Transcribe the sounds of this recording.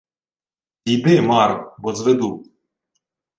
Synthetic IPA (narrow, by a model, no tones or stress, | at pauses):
ibɪmɑɾbɔzʋed̪u